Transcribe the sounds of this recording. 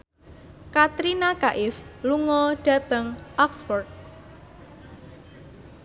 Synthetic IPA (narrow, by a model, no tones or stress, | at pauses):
kat̪ɾinakaʔɪfluŋɔɖ̥a̤t̪əŋʔɔksfɔrt̪̚